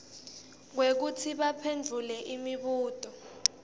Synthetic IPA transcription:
k̬wek̬utʰiɓapʰend͡ɮʱulɛʔimiɓuːtʼɔ

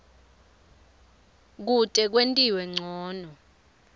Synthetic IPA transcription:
k̬utʼɛk̬wentʼiwɛŋ͡ǀʱɔːnɔ

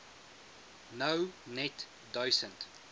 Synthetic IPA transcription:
nəwnɛt | dɔjsə̃nt

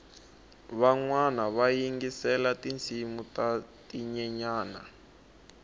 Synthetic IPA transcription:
βaŋwanaβajiŋɡisɛlatint͡sʰimutatiɲɛɲaːna

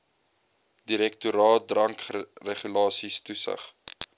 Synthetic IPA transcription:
diɾɛk̚tuɾɑːt̚drɐŋkreχylɑːsistusə̰χ

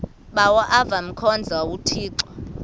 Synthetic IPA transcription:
ɓawaʔavam̩kʰɔnd͡zʱawawutʰiːǀɔ

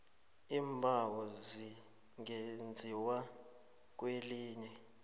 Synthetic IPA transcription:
imbʱawɔzi | ŋend͡zʱiwa | k̬ʼweliːnɛ

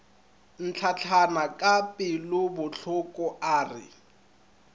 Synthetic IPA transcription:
n̩t͡ɬʰat͡ɬʰanakʼapʼɪlʊbʊɬʰʊkʼɔʔaːrɪ̰

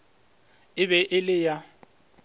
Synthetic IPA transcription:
ɪβɛʔɪlɪja

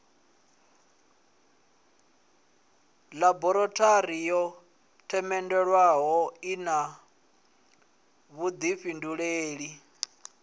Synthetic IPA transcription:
labɔɾɔtʰʼaɾijɔ | tʰɛmɛndɛɺwaɦɔina | βud̪iɸinduɺeːɺi

